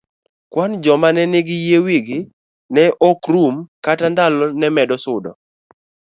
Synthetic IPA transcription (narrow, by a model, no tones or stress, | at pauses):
kwand͡ʒɔmanɛneɡɪjewiɡɪ | nɛʔɔkɾumkatandalɔnɛmɛdɔsʊdɔ̰